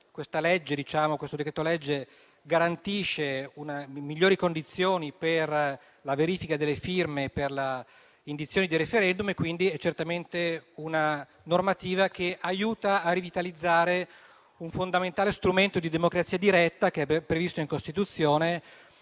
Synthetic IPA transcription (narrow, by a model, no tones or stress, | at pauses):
kwest̪alɛd͡ʒːed̪it͡ʃaːmokwest̪od̪ekɾet̪ːolɛd͡ʒːe | ɡaɾant̪iːʃːeunamiʎːoːɾikond̪it̪sːjoːniper | laveɾiːfikad̪elːefirmeperla | ind̪it̪sːjoːnid̪irefeɾɛnd̪umekwind̪iɛt͡ʃːert̪ament̪euna | normat̪iːvakeʔajuːt̪aːrivit̪alid̪zːaːɾe | uɱfond̪ament̪aːlest̪ɾument̪od̪id̪emokɾat̪siːad̪iɾɛt̪ːakeɛbpːɾevist̪oiŋkost̪it̪ut̪sːjoːne